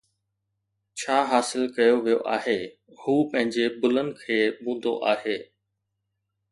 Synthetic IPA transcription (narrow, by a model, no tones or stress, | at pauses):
t͡ɕʰaːɦaːsɪlkɐjoʋijoʔaːɦeː | huːpɐ̃ɦɪ̃ɲd͡ʑebʊlənɪ̆kʰeːbũːn̆d̪o̰ʔaːɦeː